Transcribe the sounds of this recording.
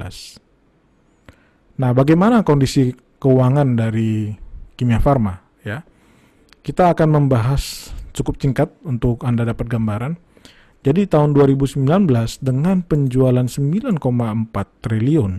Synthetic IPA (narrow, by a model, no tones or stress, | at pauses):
a̰s | nahbaɡajmanakɔndisi | kəuaŋandaɾikimiafarma | ja | kit̪aːkanməmbaɦast͡ʃukʊp̚t͡ʃiŋkat̪̚unt̪ʊkandadapat̪̚ɡambaɾan | d͡ʒadit̪aɦʊnduaɾibusəmbilanbəlasdəŋanpəɲd͡ʒualansəmbilankomaəmpat̪ːɾiliɔn